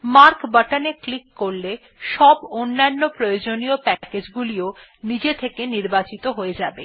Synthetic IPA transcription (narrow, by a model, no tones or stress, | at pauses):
maɾkbaʈaneklikːoɾle | ʃɔbonːanːopɾojod͡ʑoniopɛked͡ʑɡulio | nid͡ʑet̪ʰekeniɾbat͡ɕit̪oɦoed͡ʑabḛ